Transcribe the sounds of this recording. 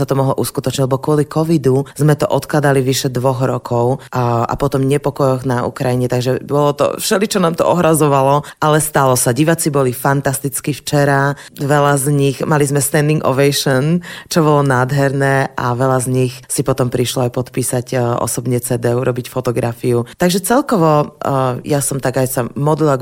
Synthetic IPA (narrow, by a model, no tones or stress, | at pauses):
sat̪ɔmɔɦlɔ̰ʔuskut̪ɔt͡ʃɲiɟlɛbɔkʊɔlikɔʋid̪uzmɛt̪ɔʔɔt̪klad̪aliʋiʃɛd̪ʋɔɣɾɔkʰɔʊa̰pɔt̪ɔmɲɛpɔkɔjɔɣnaṵkɾajiɲɛt̪aɡʒɛbɔlɔt̪ɔ̰fʃɛlit͡ʃɔnaːmt̪ɔ̰ɔɦɾazɔʋalɔalɛst̪alɔsaɟiʋat͡sibɔlifant̪ast̪it͡skift͡ʃɛɾa | ʋɛlazɲixmalizmɛst̪ɛnd̪iŋɡɔ̰ʋɛjʃɔnt͡ʃɔbɔlɔnaːd̪ɦɛɾnɛːa̰ʋɛlazɲixsipɔt̪ɔmpɾiʃlɔajpɔt̪piːsacʔɔ̰sɔbɲɛt͡sɛd̪ɛuɾʔɔbicfɔt̪ɔɡɾafiut̪aɡʒɛt͡sɛlkɔʋɔ | jasɔmt̪aɡajsamɔd̪lila